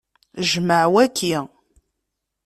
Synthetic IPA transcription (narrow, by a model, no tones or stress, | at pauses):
ʒməʕwækːi